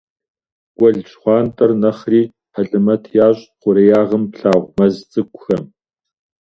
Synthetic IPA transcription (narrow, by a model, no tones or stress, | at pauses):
kʷʼɔɮt͡ʃχʷɑːntʼɐrnɐχriː | ħɐɬʼɨmɐtʰjaːɕʼqʷʊɾɐjaːʁəmpɬaːʁʷmɐzt͡sʼɨkʷʊxɐm